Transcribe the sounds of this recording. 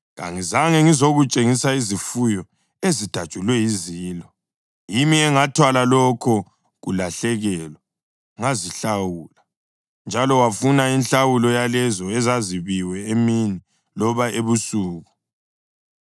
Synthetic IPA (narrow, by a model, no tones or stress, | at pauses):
ɣa̰ŋizaŋɛŋizoɣut͡ʃʼeŋisaizifujɔ | ezid̥ʱad̥ʒ̥ʱulwɛiziːlɔ | jimiɛŋatʰwalalɔkʰɔ | ɣṵlaɬɛɣɛːlwa | ŋaziɬawuːla | nd͡ʒʱalɔwafunainɬawulɔjalɛzɔɛzaziβiwɛemini | lɔβaeβusuːɣu